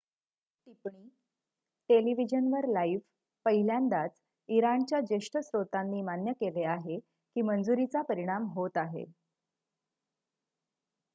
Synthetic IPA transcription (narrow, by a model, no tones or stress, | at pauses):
ʈipɳiː | ʈeliʋid͡ʑənʋəɾlaif | pəɦiljand̪at͡s | iɾaɳt͡ɕjad͡ʑeʂʈəsɾot̪anːiːmanjəkeleaɦe | kiːmənd͡zuɾit͡sapəɾiɽ̃amɦot̪aɦḛ